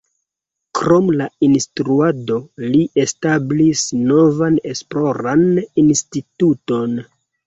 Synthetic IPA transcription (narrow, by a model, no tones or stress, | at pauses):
kɾomlainstɾuado̞liʔe̞stablisno̞vane̞splo̞ɾaninstituto̞n